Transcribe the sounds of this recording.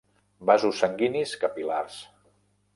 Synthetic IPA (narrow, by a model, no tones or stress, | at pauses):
bazusəŋɡiniskəpilars